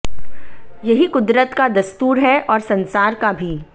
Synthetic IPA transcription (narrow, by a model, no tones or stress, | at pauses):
jɐɦikʊd̪ɾət̪kad̪ɐst̪uːɾɦɛʔɔːɾsɐ̃nsaːɾkabʱiː